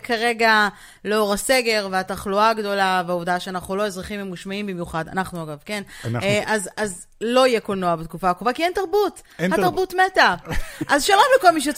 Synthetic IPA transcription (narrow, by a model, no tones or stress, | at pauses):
kaʁe̞ɡa | leo̞ʁase̞ɡe̞ʁveataχluaːɡd̪o̞laveaovdaʃeanaχnulo̞ezʁaχimemɡuʃmaimbimjuχada̰naχnuaɡavkenʔazaz | lo̞ijekolnoabet̪̚kufakovakientaʁbut | hataʁbutmetaʔazʃalo̞mleko̞lmiʃ̬